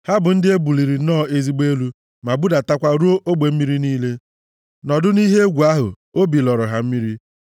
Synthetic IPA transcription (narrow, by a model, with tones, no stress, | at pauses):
ha˦bʊ˨n̩˦dɪ˦e˦bu˨li˨ɾi˨nɔː˦˨e˦zi˦ɡ͡be˦lu˦ | ma˨bu˦da˨ta˦kʷa˦ɾu˦o˦ʔo˦ɡ͡be˨m̩˦mi˦ɾi˦niː˦le˦ | nɔ˨dʊ˦ni˦ɦe˦ɡʷu˨a˦ɦʊ̰˨ | o˦bi˨lɔ˨ɾʊ˨ɦa˨m̩˦mi˦ɾi˦